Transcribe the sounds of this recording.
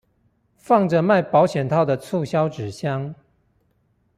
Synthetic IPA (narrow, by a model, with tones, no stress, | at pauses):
fɑ˥˩ŋʈ͡ʂə˨ma˥˩ɪpɑ˧˥ʊɕjɛ˨˩nt̪ʰɑ˥˩ʊd̪ə˩t͡sʰu˥˨ɕjɑ˦ʊʈ͡ʂɻ̩˨˩ɕjɑ˦ŋ